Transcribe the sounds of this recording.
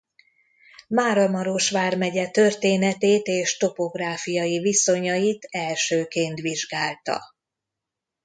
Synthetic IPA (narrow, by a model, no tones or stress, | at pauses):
maːɾɒmɒɾoʃʋaːrmɛɟɛt̪ø̞rt̪eːnɛt̪eːt̪eːʃt̪o̞po̞ɡraːfijɒjiviso̞ɲɒjit̪ɛlʃøːkeːnt̪ʋiʒɡaːlt̪ɒ̰